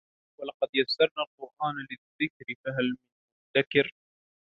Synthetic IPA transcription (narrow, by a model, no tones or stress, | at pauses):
walɑqɑd̪jasɑɾˤnaːlqʊɾʔaːnlɪðːɪkɾɪfaɦalmɪnmʊt̪ːakɪɾ